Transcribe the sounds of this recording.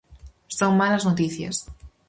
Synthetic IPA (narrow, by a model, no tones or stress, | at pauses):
soŋmalaznot̪iθja̰s